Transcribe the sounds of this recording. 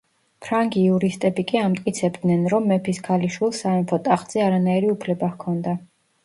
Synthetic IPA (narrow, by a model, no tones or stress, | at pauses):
pʰɾaŋɡiuɾist̪ʼɛbikʼiamt̪ʼkʼit̪sʰɛbd̪nɛnɾɔmːɛpʰiskʰaliʃwilˠsaɛmfʰɔt̪ʼaχz̥ɛaɾanaiɾiupʰlɛbahkʰɔnd̪a